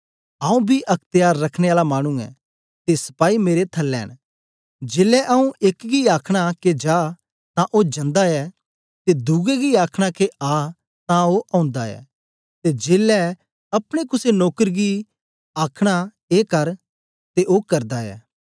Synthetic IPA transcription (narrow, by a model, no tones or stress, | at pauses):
ãːũbʱiʔɐkʰt̪ɪjaːɾːɐkʰɽ̃eaːlamaːɽ̃ũɛ̰ | t̪esɐ̥paːimeːɾet̪ʰɐlːɛ̰ːɽ̃ | d͡ʒeːlɛʔaũʔeːkɡiaːkʰɽ̃aked͡ʒaː | t̪ãʔod͡ʒɐ̃nd̪aɛ | t̪ed̪uːɡeɡiaːkʰɽ̃akeaː | t̪ãoʔɐ̃ːʊ̃nd̪aɛ̰ː | t̪ed͡ʒeːlɛ | ɐpɽ̃ekʊsenoːkəɾɡi | aːkʰɽ̃a | eːkɐɾ | t̪eʔoːkɐɾd̪aɛ̰ː